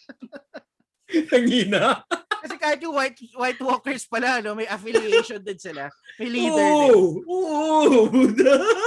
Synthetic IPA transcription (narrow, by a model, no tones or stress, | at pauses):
hɐŋiːnakɐsɛkaːhɪt̪̚jʊŋwajt̪̚wajt̪woːkɛɹspɐlaʔɐno̞mɐjʔɐfɪlɪeʃond̪ɐd̪sɪlamɐjliːɛoːʔod̪